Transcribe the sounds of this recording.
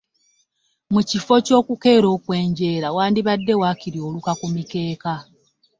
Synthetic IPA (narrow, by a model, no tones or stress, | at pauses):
mucifo̞co̞ːkuke̞ːɾo̞ːkwe̞ːɲɟe̞ːɾawaːndiβadːe̞waːkiɾio̞lukakumike̞ːka